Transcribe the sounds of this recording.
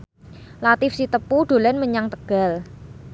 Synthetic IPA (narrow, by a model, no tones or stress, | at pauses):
lat̪ɪfsit̪əpuɖ̪̥o̤lɛnməɲaŋt̪əɡ̥a̤l